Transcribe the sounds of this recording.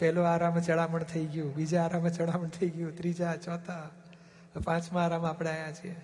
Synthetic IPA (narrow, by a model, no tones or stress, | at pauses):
pɛɦloaɾamt͡ʃəɽaməɳt̪ʰəiɡjũbid͡ʒaaɾamet͡ʃəɽaməɳt̪ʰəiɡjũt̪ɾid͡ʒat͡ʃɔt̪a | pãt͡ʃmãːɾamapɳeajat͡ʃʰie